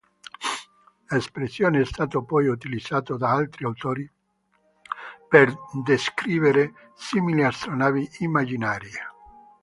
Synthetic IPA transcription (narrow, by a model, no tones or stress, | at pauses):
lespɾesːjoːneɛst̪aːt̪opɔjut̪ilid̪z̥ːaːt̪od̪aalt̪ɾiawt̪oːɾi | perd̪eskɾiːveɾe | similiast̪ɾonaːviimːad͡ʒinaːɾje